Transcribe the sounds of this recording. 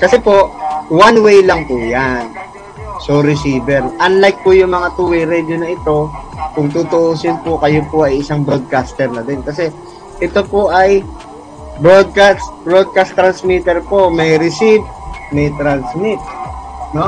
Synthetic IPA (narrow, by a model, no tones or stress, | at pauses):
kɐsɛpo̞ʔwanwejlɐŋpʊjan | soɾɪsiːbɛɾʔɐnlajk̚pʊjʊŋmɐŋat̪uwɛjɾɛd͡ʒ̪onɐʔɪt̪o̞kʊŋt̪ut̪oʔosɪnpokɐjopoʔɐjɪsaŋbɾod̪̚kast̪ɛɾnɐd̪ɛnkɐsɛ | ʔɛt̪o̞poʔɐj | bɾod̪̚kasbɹod̪̚kast̪ːɾɐnsmit̪ɛɾpo̞mɐjɾɪsivmɐjt̪ɾansmɪt̪̚no